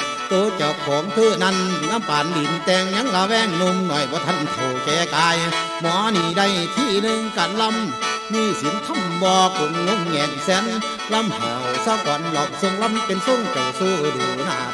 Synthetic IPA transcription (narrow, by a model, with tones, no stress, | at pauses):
t̪oː˧t͡ɕa˨˩kʰɔː˨˦ŋt̪ʰɯ˧˨na˧˨nnaː˧˥˨mpaː˨ndi˨˩nt̪ɛː˧ŋɲa˧˥˦ŋlaː˧wɛː˧˨ŋno˧mnɔ˨˩˨jbɔː˧˦t̪ʰa˧˥˨nk̪ʰo˨˩wkɛː˧kaː˧j | mɔː˧˦niː˧˩da˧˨jt̪ʰiː˧˩nɯ˧ŋka˧˩nlɔ˧˥˨mː | iː˧˥˨si˨˦nt̪ʰa˧˥˨mbɔː˧k̚u˨ŋlo˧˥˨ŋɲɛː˨˧˨ŋsɛ˧˦n | lɔ˧˥˨mha̰˨˩wsaː˧˩kɔ˨nlɔ˧m̚se˧˨nlɔ˧˥˨mpe˧˨nso˧˥˨ŋt͡ɕa˨˩wsuː˧˩duː˨˩na̰˧˩˨